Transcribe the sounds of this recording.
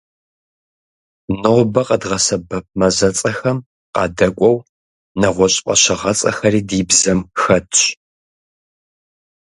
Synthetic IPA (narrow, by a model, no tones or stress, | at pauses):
nɨʁbɐqədʁɐsɐbɐp̚mɐzɐt͡sʼɐxɐm | qɑ̰ːdɐkʷʼɔw | nɐʁʷɔɕʼpʼɐ̰ɕɐʁɐt͡sʼɐ̰xɐɾiːdiːbzɐmxɐtʰɕ